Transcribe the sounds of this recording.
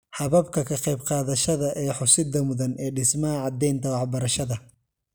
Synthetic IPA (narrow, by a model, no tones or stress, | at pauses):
ħɐβɐb̚kʰɐkʰɐqɑjbqɑːðɐʃɐðɐʔɛːħʊsɪd̪ɐmʊðɐnɛːɖɪsmɐɦɐʕɑd̪ɛjnt̪ʰɐwɑħbɐɾɐʃɐðɐ